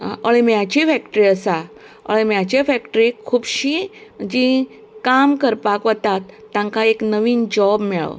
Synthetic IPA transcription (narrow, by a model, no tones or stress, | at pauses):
əɭ̃imjat͡ɕifɛkʈɾiːəsa | ə̰ɭimjat͡ɕefɛkʈɾikʰuːbɕid͡ʑi | kamkəɾpakʋət̪at̪ːãŋkaeknəʋiːnd͡ʑɔbmɛɭ̰